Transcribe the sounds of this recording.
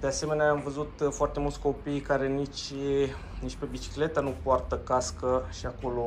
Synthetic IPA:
d̪e̞ase̞me̞neaːmvəzut̪foart̪e̞mult̪sʲko̞pijkaɾe̞nit͡ʃ | nit͡ʃpebit͡ʃi̥kle̞t̪anupoart̪əkaskəʃiako̞lo̞

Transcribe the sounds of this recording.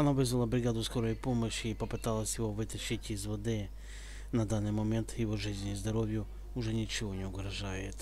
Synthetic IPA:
ɐnaʋɪzʋɐlˠɐbɾʲɪɡad̪ʊskoɾɔjipomɔɕʲiːpɔpɪt̪alˠɐsʲjɪɦoʋɪt̪ɐʃɪtʲizʋɔd̪ɪ | nɐd̪anɨjmɔmʲɛnt̪jɪɦɔʐɪzʲnʲizd̪ɐɾoʋʲjʊ | ʊʐɛnʲit͡ʃɪɦɔnʲɛʊɡɾɐʒajɪt̪

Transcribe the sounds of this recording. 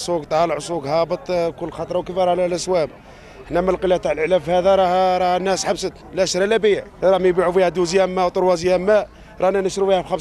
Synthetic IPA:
sˤuɡt̪ˤʕlʕsˤuɡhɑbət̪ˤkʊlːxɑt̪ˤɾˤɑwkəfæɾˤɑlælʔæswæb | ħnæməlqəlːæt̪aʕlʕlæfhæd̪æɾˤɑhɾˤɑhnːæsħabsət̪læʃɾˤælæbijʕɾˤɑhmæjbiʕufihæd̪uzjæmːæwt̪ˤʊɾwɑzjæmːæ | ɾˤɑnænəʃɾufihæfxæm

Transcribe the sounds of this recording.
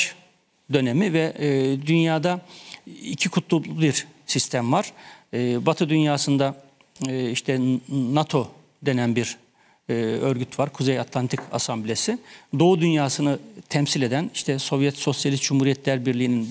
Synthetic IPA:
d̪ø̞nemivɛd̪ynjaːd̪a | icʰikʰut̪ʰlˠulˠubiɾsist̪ʰæmvaɾ̥ | bat̪ʰɯd̪ynjaːsɯnd̪a | iʃt̪ʰɛnat̪ʰo̞ | d̪e̞nænbiɾ | øɾɡyt̪ʰvaɾkʰuzejat̪ʰlˠant̪ʰikʰa̰samblʲesid̪o̞ud̪ynjaːsɯnɯt̪ʰɛmsilʲe̞d̪æniʃt̪ʰɛso̞vjɛt̪so̞sjalʲist̪̚d͡ʒumhuːɾijɛt̪ʰlʲæɾbiɾlʲijːnin

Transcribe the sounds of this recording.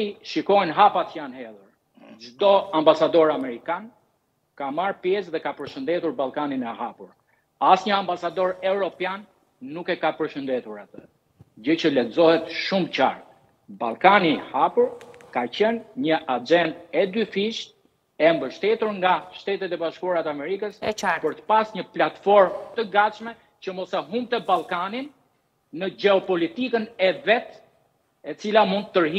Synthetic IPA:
iʃikɔjnɦapat̪janhɛðuɾ | d͡ʒd̪ɔambasad̪ɔɾamɛɾikan | kamaɾpjɛsðɛkapəɾʃənd̪ɛt̪uɾbalˠkaninɛɦapuɾ | asɲəambasad̪ɔɾɛvɾɔpjanː | ukɛkapəɾʃənd̪ɛt̪uɾat̪ə | d͡ʑət͡ɕəlɛt̪zɔhɛt̪ʃumt͡ɕa̰ɾt̪̚ | ba̰lˠkanihapuɾkacɛnɲəʔad͡ʒɛnd̪ɛd̪yfiʃt̪ | ɛmbəʃt̪ɛt̪uɾŋɡaʃt̪ɛt̪ɛt̪ɛbaʃkuɾat̪ɛamɛɾikəspəɾt̪ə̥pasɲəplat̪fɔɾmt̪əɡat̪ʃmɛ | t͡ɕəmɔsaɦumt̪ɛbalˠkaninː | əd͡ʒɛɔpɔlit̪ikənɛvɛt̪ | ɛt͡silamund̪ːəɾɦi

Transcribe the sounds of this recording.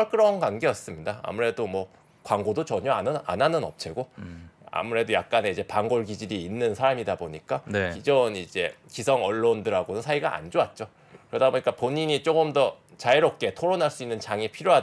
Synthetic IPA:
ʌɭk͈ɯɾʌnɡwaŋɡe̞jʌs͈ɯmɲidaa̰muɾe̞domwʌ | kwaŋɡodot͡ɕʌɲʌanɯna̰nanɯnʌ̰p̚t͡ɕʰeɡoa̰muɾe̞dojak̚k͈ane̞id͡ʑe̞paŋɡoɭɡid͡ʑiɾiːnːɯnsʰaɾamidaboɲik͈anid͡ʑʌnid͡ʑe̞kisʰʌŋʌɭːondɯɾɦaɡonɯnsʰaiɡaʔa̰nd͡ʑoat̚t͡ɕ͈o | kɯɾʌdaboɲik͈apoɲiɲit͡ɕ͈oɡɯmdʌ | t͡ɕaiɾop̚k͈e̞tʰoɾonaɭs͈uinːɯnt͡ɕaŋipʰiɾjoɦa

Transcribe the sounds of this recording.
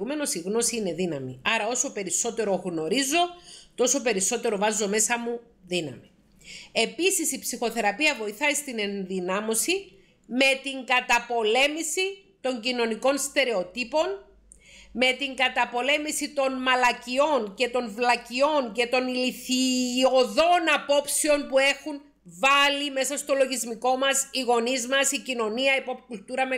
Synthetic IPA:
ume̞no̞siɣno̞siine̞ðinɐmḭɐɾɐo̞so̞pe̞ɾiso̞t̪e̞ɾo̞ɣno̞ɾizo̞t̪o̞so̞pe̞ɾiso̞t̪e̞ɾo̞vɐzo̞me̞sɐmu | ðinɐ̰mi | e̞pisisipsixo̞θe̞ɾɐpiɐvo̞iθɐist̪ine̞nðinɐmo̞si | me̞t̪iŋɡɐt̪ɐpo̞le̞misi | t̪o̞ɲɟino̞niko̞nst̪e̞ɾe̞o̞t̪ipo̞n | me̞t̪iŋɡɐt̪ɐpo̞le̞misit̪o̞nmɐlɐcio̞nce̞t̪o̞nvlɐcio̞ŋce̞t̪o̞niliθioðo̞nɐpo̞pseo̞npue̞xun | vɐlime̞sɐst̪o̞lo̞ʝizmiko̞mɐsiɣo̞nizmɐsicino̞niɐipopkult̪uɾɐme

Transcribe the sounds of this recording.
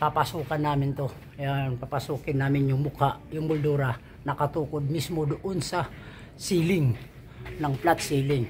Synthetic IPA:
papasuːkanːaːmɪnt̪o | apapasuːkɪnːaːmɪnjʊŋmʊkaʔjʊŋmʊld̪uːɾa | nɐkɐt̪uːkod̪̚mismod̪ʊʔonsɐ | siːlɪŋ | nɐŋplat̪siːlɪŋ

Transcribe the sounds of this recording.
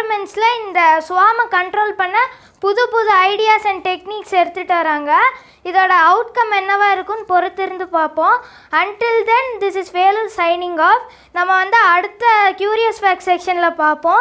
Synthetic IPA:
ɾmɛɳʈslɐ̃ɪnd̪ɐsʊʋaːmɐkɐɳʈɾoːlpɐɳːɐ | pʊðʊpʊðuɐɪɽɪjaːsɐɳɖʈɛkniːksɛɾɯt̪ːɯʈːɯʋɐɾaːŋɡɐ | ɪðoːɽɐɐʊʈkɐmɛnːɐʋaːɪɾɯkːɯnpɔɾɯt̪ːɪɾɯnd̪ɯpaːɾpõː | ɐɳʈɪld̪ɛnd̪ɪsɪsʋeːlɐlsɐɪnɪŋɡaːf | nɐmːɐʋɐnd̪ɯɐɽɯt̪ːɐkjuːɾɪjɐsfaːksɛkʂɐnlɐpaːɾpõː

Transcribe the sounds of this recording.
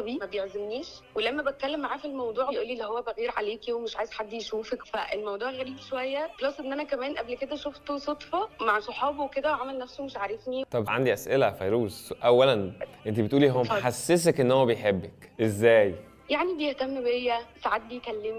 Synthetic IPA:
biːmæbejeʕzemniːʃwelæmːæbet̪̚kælːemːaʕaːfilmɑwd̪ˤuːʕejʔuːlːilːihowːæbæɣiːɾʕaleːkiwemeʃʕaːjez̥ħad̪ːjʃuːfækfæ̰ʔelmɑwd̪ˤuːʕɣæɾib̪ʃowæjːæxlɑsˤːʔenːʔænækæmæːnʔæblked̪æʃoft̪osˤot̪ˤfɑmaʕsoħɑːbweked̪æʕamælnæfsomeʃʕaɾˤɑfnit̪ˤɑbʕa̰nd̪iʔæsʔelæfɑjɾuːsʔæwːælænʔent̪ibet̪ʔuːliɦowːæmħasːes̬ækʔenːhowːæbejħebːækʔezːæːj | jaʕnibejeht̪æmːbejːæsaʕad̪̚bijkælːem

